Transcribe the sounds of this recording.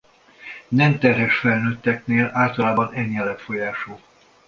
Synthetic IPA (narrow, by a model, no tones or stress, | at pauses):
nɛmt̪ɛrɦɛʃfɛlnøːt̪ːɛkneːlaːlt̪ɒlaːbɒnɛɲːɛlɛtfo̞jaːʃoː